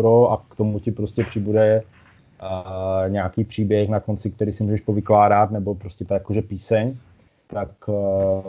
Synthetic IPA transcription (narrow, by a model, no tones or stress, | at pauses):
ɾoakt̪omucɪpɾo̞scʲɛpr̝̥ɪbudɛ | ɲaakiːpr̝̥iːbjɛxnako̞nt͡sɪkt̪ɛɾiːsɪmuːʒɛʃpovɪklaːɾat̪nɛbo̞pɾoscʲɛt̪ajakoʒɛpiːsɛɲ | t̪ak